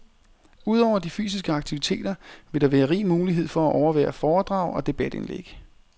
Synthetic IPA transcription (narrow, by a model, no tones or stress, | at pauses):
uð̞̰ˠɒʊɐd̥ify̰ːsisɡ̥əɑ̈ɡ̥t͡sʰiʋit͡sʰe̝̰ːd̥ɐʋe̝ɾɑ̈ʋæːɐʁḭːmuːliɦe̝ð̞̰ˠfɒ̽æʔɒʊɐʋæ̰ːɐfɒːd̥ʁɑ̈ʊ̰ɒ̽d̥e̝b̥æd̥e̝nlḛɡ̥